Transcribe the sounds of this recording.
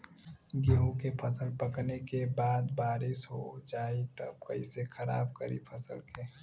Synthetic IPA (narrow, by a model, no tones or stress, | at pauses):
ɡeɦũkepʰəsəlpəknekebaːd̪baːɾɪsɦod͡ʒaːit̪əb̚kəisekʰəɾa̰ːb̚kəɾḭpʰəsə̰lke